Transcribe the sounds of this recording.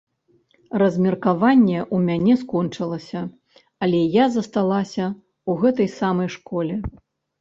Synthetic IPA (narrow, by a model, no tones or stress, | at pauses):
rɐzʲmʲɛrkavanʲːɛʔumʲanʲɛskɔnt͡ʂɐlˠɐsʲɐ | ɐlʲɛjazɐst̪alˠasʲɐ | uɣɛt̪ɐjsamɐjʂkɔlʲɛ